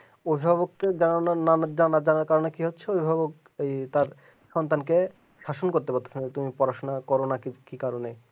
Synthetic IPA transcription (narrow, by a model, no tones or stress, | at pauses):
obʱibʱabokːed͡ʑanananand͡ʑaanad͡ʑanaɾkaɾonekiɦotːɕʰeobʱibʱabok | et̪aɾ | ʃɔnt̪anke | ʃaʃonkoɾt̪epaɾt̪ʰḁt͡ɕʰanet̪umipɔɾaʃonakɔɾonakikikaɾone